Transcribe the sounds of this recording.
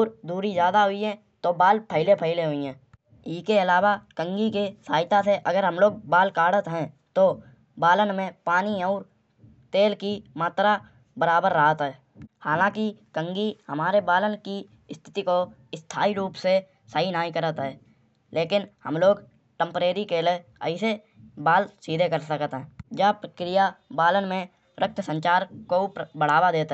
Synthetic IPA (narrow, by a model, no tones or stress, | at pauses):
uːɾd̪uːɾizjaːd̪aɦʊiɦɛ̃ | t̪obaːlpʰəɦɪlepʰəɪleɦʊiɦɛ̃ː | ɪskeɪlaːwakə̃ŋɡikesaːɪt̪aseʔəɡəɾɦəmloːɡ̚baːlkaːɽət̪ɦɛ̃t̪o | baːlənmẽpaːniɔːɾ | t̪eːlkimaːt̪ɾa | bəɾaːbəɾːaɦat̪ɦɛː | haːlãːkikə̃ŋɡihəmaːɾebaːlənki | ɪst̪ʰɪ̥t̪iko | ɪst̪ʰaːiɾuːpse | səɦinaːikəɾət̪ɦɛː | lʔeːkɪnhəmloːɡ | ʈə̃mpɾeːɾikeleə̰ɪse | baːlsiːd̪ʱekəɾsəkt̪ɦɛ̃ːd͡ʒaːpɾəkɾijabaːlənmẽ | ɾək̚t̪ʰsə̃ɲt͡ʃaːɾkobəɽ̤aːʋad̪eːt̪